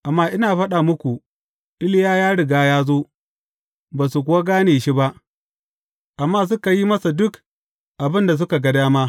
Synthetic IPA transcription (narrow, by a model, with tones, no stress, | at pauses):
ʔa˨mːaː˦ʔɪ˦naː˨ɸɐ˦ɗa˨mʊ˦kʷu˨ | ʔɪ˦lɪ˦jaː˦jaː˦ɽɪ˨ɡaː˦jaː˦zoː˦ | baː˨su˨k̬ʷʊ˨˦wa˦ɡaː˦neː˨ʃi˦ba˦ʔ | ʔa˨mːaː˦s̬ʊ˦ka˨ji˦mɐ˦sa˨dʊ˦k | ʔa˨bɪ˦nda˨s̬ʊ˦ka˨ɡɐ˦daː˦maː˦